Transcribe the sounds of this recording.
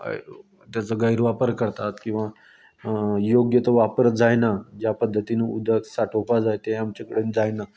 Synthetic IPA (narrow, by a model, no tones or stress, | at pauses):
t̪jat͡səɡəiɾʋapəɾkəɾt̪at̪kĩw̃ʋa | joɡjət̪əʋapəɾd͡zajnad͡ʑjapəd̪ʱːət̪inəud̪ʱəksaʈʰopad͡zajt̪ẽamt͡ɕakəɽend͡zajna